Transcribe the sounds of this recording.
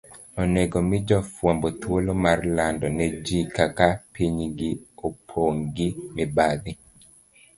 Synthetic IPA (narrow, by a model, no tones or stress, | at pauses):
ɔneɡomɪd͡ʒɔfwambot̪wolomarlandɔnɛd͡ʒikakapiɲɡiopʰoŋɡimibad̪ɪ